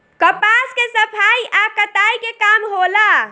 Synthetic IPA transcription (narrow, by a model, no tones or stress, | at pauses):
kəpaskesəpʰaiʔakət̪aikekamɦola